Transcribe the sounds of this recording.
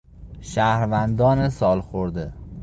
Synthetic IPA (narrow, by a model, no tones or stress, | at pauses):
ʃahɾvænd̪ɒnɪsɒlˠχoɾd̪ɪ